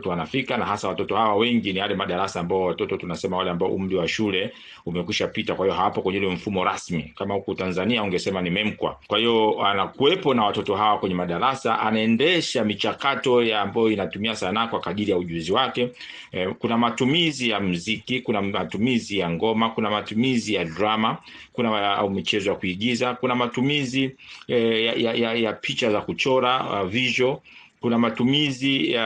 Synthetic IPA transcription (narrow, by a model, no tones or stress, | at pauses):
tɔwanafikanaɦasawatɔtɔhawawɛŋɡinijalɛmaɗaɾasaːmbaɔwatɔtɔtɔanasɛmawalɛambaɔ̰ʔum̩liwaʃulɛ | umɛkwiʃapitakwahiɔɦawapɔkwɛɲɛulɛm̩fumɔɾasmikamahukɔtanzaniauŋɡɛsɛmanimɛm̩kwa̰kwahijɔanakuwɛpɔnawatɔtɔɦawakwɛɲɛmaɗaɾasaʔanaɛndɛʃamit͡ʃakatɔjaːmbajɔinatumiasanakwakaɗiɾijauʄuziwakɛ | kunamatumizijam̩zikikunamatumizijaŋɡɔmakunamatumizijadɾama | kunaa̰umit͡ʃɛzɔjakuiɠizakunamatumizi | ajajajapʰit͡ʃazakut͡ʃɔɾaaviʒɔ | kunamatumizia